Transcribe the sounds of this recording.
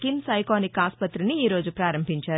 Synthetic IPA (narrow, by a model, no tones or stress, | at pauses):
kinsɐjkaːnikaːspɐt̪ɾiniiːɾo̞ːd͡ʒupɾaːɾɐmbʱiɲt͡ʃaːɾu